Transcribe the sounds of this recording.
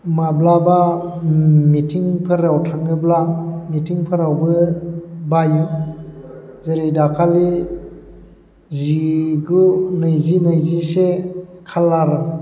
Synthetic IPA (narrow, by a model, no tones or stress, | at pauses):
mablaba | mitʰiŋpʰɯɾawtʰaŋɯblamitʰiŋpʰɯɾawbɯ | bajɯ | zeɾidakʰali | ziɡunɯjzinɯjzisekʰalːaɾɯ